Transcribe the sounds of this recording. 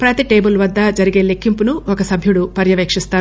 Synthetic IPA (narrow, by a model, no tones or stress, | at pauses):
pɾɐt̪iʈe̞ːbulʋɐd̪ːɐd͡ʒɐɾiɡe̞ːlekːimpunuɔkɐsɐbʱjuɽupɐɾjɐʋeːkʂist̪aːɾu